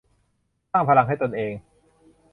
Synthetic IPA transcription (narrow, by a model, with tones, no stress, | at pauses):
t̪a˥˩ŋpʰa˧la˧ŋɦa˥˩jt̪o˧nʔeː˧ŋ